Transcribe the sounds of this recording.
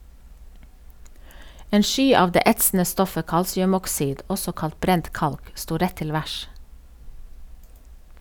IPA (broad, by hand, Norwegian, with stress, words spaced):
ˈeːn ˈʃyː ˈɑːʋ ˈdeː ˈɛtsn̩ə ˈstɔfə ˈkɑlsɪʉmɔkˌsiːd ˈɔsɔ ˈkɑlt ˈbɾɛnt ˈkɑlk ˈstuː ˈɾɛ ˈtɪl ˈʋæʃ